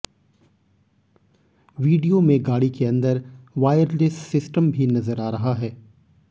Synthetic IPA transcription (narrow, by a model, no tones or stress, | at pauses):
ʋiːɖijomẽɡaːɽikeɐ̃nd̪əɾʋaːjəɾlessɪsʈəmbʱinɐzəɾaːɾɐɦaɦɛː